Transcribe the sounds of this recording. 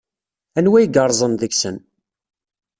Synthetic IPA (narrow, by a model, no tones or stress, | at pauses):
ænwæjɡəɾˤzˤənðəɡsən